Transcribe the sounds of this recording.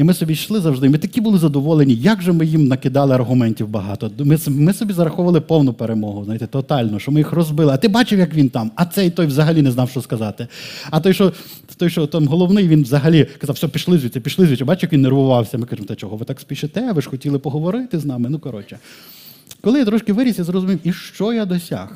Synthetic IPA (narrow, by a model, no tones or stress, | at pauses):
imɪsɔbʲiʃlˠɪzɐwʐd̪ɪmit̪ɐkʲibʊlˠɪzɐd̪ɔʋɔlˠenʲijɐɡʒɛmɪjimnɐkɪd̪ɑlˠɪɐrɦʊmɛnʲtʲiwbɐɦɑ̰t̪ɔd̪mɪsmɪsɔbʲizɐɾɐxɔʋɐlˠɪpɔwnʊpeɾemɔɦʊznajt̪ɛt̪ɔt̪ɑlʲnɔʃt͡ʃɔmɪjixrɔzbɪlˠɪɐt̪ɪbɑt͡ʃɪwjɐkʋʲint̪ɑmɐt̪sɛit̪ɔjʋzɐɦɐlʲinɛznɑwʃt͡ʃɔskɐzɑt̪ɪɐt̪ɔjʃt͡ʃɔ | t̪ɔjʃt͡ʃɔt̪ɑmɦɔlˠɔwnɪjʋʲinʋzɐɦɐlʲikɐzɑwsʲɔɔpʲiʃlˠɪzʲʋʲit͡s̪ʲɛpʲiʃlˠɪzʲʋit͡ʃʲɛbɑt͡ʃɪwjɐkʋʲinːerʋʊʋɑwsʲɐmɪkaʒɪmɔt̪ɛt͡ʃɔɦɔʋɪt̪ɑksʲpʲiʃɪt̪ɛʋɪʃxɔtʲilˠɪpɔɦɔʋɔɾɪt̪ɪznɑmɪnukɐɾɔt͡ʃɛ | kɔlˠɪjat̪ɾɔʃkɪʋɪɾʲisʲjazɾɔzʊmʲiwiʃt͡ʃɔjad̪ɔsʲa̰x